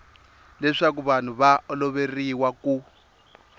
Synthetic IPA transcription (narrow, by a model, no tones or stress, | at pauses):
lɛʂak̬uβan̤uβaɔlɔβeriwaku